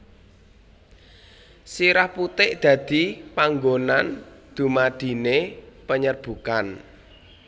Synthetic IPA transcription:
siɾahput̪ɪʔd̪̥ä̤d̪̥i̤paŋɡonand̪̥ṳmad̪̥i̤nepəɲərb̥ṳkan

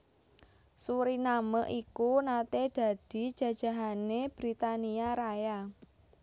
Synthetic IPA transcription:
suɾinamə̰ʔikunat̪ed̪̥ä̤d̥i̤d̥ʒ̥a̤d̥ʒ̥a̤ɦaneb̥ɾit̪aniaɾaja

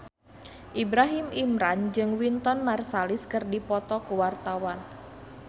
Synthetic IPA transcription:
ʔibɾaɦimimɾand͡ʒɨŋwint̪ɔnmarsalɪskɨrdipɔt̪ɔkuwart̪awan

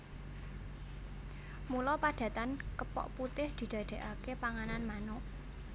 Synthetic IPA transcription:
mulɔpaɖ̪̥ä̤t̪ankəpɔ̰ʔput̪ɪhd̪̥i̤d̪̥ä̤d̪̥e̤ʔakepaŋananmanʊʔ

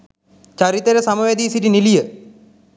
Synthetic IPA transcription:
t͡ɕɐɾit̪ːɐɾesɐmɐʋed̪isiɾinilijə

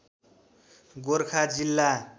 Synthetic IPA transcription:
ɡoɾkʰad͡zilːa

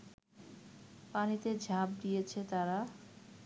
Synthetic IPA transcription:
panit̪ed͡ʑʱab̚d̪ijet͡ɕʰet̪aɾa

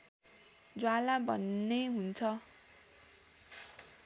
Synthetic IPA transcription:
d͡zwalabʌ̰nːejɦunt͡sʰʌ

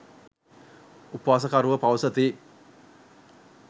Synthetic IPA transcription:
upʋaːs̬əkaɾuʋəpaʋwsət̪e

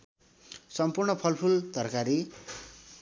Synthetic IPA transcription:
sʌmpurnʌpʰʌlpʰult̪ʌrkaɾi

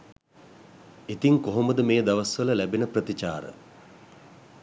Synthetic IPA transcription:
it̪iŋkoɦoməd̪əmeːd̪aʋɐsʋələlæbinəprət̪it͡ʃa̰ːɾə̰

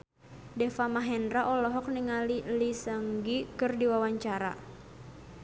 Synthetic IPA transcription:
dɛfamaɦɛndɾaʔɔlɔɦɔk̚niŋalilisəŋɡikɨrdiwawaɲt͡ʃaɾa̰

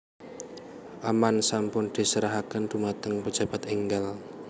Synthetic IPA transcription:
ʔamansampʊnd̪̥i̤səɾaɦakənd̪̥ṳmat̪əŋpə̥d͡ʒ̥a̤b̥a̤t̪iŋɡəl

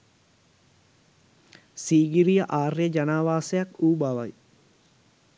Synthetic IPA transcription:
siːɡiɾijəʔaːrjəd͡ʒanaːʋaːsejakuːbaʋa̰j

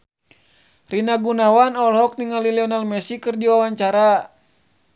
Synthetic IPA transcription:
rinaɡunawanɔlɦɔk̚niŋalilɛɔnalmɛsikɨrdiwawaɲt͡ʃaɾa

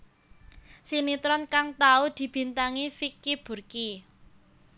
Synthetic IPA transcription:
sinit̪ɾɔnkaŋt̪aud̪̥i̤b̥i̤nt̪aŋifikːib̥ṳrki

